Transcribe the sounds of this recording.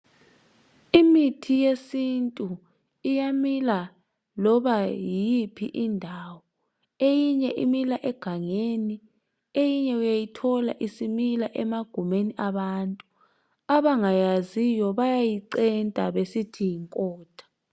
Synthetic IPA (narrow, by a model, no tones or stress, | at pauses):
imitʰijesintʼu | ijamila | lɔɓajipʰḭʔindʱaːwɔ | ejiɲɛʔimilaʔɛɡ̥ʱaŋeːni | ejiɲɛujajitʰɔlaʔisimilaʔɛmaɡ̥ʱumeniʔaɓantʼu | aβaŋajazijɔβajajiǀɛntʼaɓesitʰijiŋkʼɔːd̥ʰʱḁ